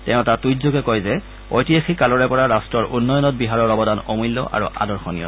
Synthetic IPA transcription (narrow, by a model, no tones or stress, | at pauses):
tɛʊ̃tatujzoɡɛkɔjzɛ | o̰jtiaxikalɔɹɛpɔɹaɹastɹɔɹʔunːɔjɔnɔt̚biɦaɹɔɹɔbɔdanomulːɔ̰ʔa̰ɹṵʔa̰dɔɹxɔnḭjɔ̰